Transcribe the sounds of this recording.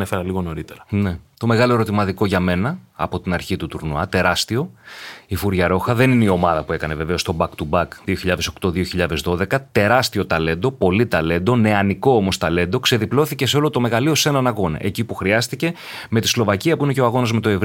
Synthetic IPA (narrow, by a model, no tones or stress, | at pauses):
efeɾɐliɣo̞no̞ɾit̪eɾɐne̞t̪o̞me̞ɣɐlo̞e̞ɾo̞t̪imɐt̪iko̞ʝɐme̞nɐ̰ːpo̞t̪inɐɾçit̪ut̪uɾnuɐt̪e̞ɾɐst̪io̞ifuɾʝɐɾo̞xɐðe̞nineio̞mɐðɐpue̞kɐne̞ve̞ve̞o̞st̪o̞bɐkt̪ubɐkðio̞çiʎɐðe̞so̞kt̪o̞ðioçiʎɐðe̞zðo̞ðe̞kɐt̪e̞ɾɐst̪io̞t̪ɐle̞nd̪o̞po̞lit̪ɐle̞nd̪o̞ne̞ɐniko̞omo̞st̪ɐle̞nd̪o̞kse̞ðiplo̞θice̞se̞o̞lo̞t̪o̞me̞ɣɐlio̞se̞nɐnɐɣo̞nɐ̰ʔe̞̰cipuxɾiɐst̪ice̞ | met̪islo̞vɐciɐpuine̞ce̞o̞ɐɣo̞nɐzme̞t̪o̞e̞v